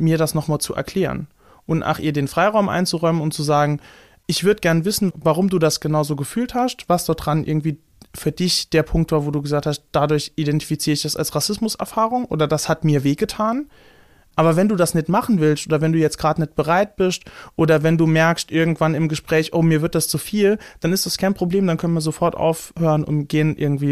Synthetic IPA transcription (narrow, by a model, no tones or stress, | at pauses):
miːɐɾasnɔχmaːlt͡suʔɛ̰ɐkʰl̥eːʁə̰n | ʔʊntʔa̰ːχʔiːɐdeːnfʁ̥aɪʁaʊmʔa̰ɪnt͡suʁɔʏmənʊntt͡suzaːɡŋ̩ | ʔɪçv̥ʏɐdəɡɛɐnəvɪsn̩vaʁ̞ʊmduːdasɡ̥ənaʊzoːɡəfyːlthastv̥asd̥ɔːdʁanʔɪ̰ɐɡŋ̩tv̥iː | fyːɐdɪçd̥eːɐpʰʊŋk̚tv̥aːɐvoːduːɡəzaːk̚tʰhast̚d̥adʊɐçidɛnti̥fit͡siːʁəɪçd̥ɛsa̰lsʁasɪsmʊsɛ̰ɐfaːʁʊŋʔo̰ːdɐdashatmiːɐveːɡətʰaːn | ʔaːbɐvɛnduːdasnɪçtmaχn̩vɪlstʔoːdɐvɛnduːjɛt͡stɡ̥ʁaːtnɪt̚b̥əʁaɪt̚b̥ɪstʔoːdɐvɛnduːmɛɐkstʔɪɐɡŋ̩tv̥anɪmɡəʃpʁ̥ɛːçʔoːmiːɐvɪɐt̚d̥ast͡sufiːld̥anɪstd̥askʰaɪnpʁ̥obleːmdankʰœnənviːɐzofɔɐtʔa̰ʊfhøːʁənʔʊ̰ntɡ̥eːənʔɪ̰ɐɡŋ̩tv̥iː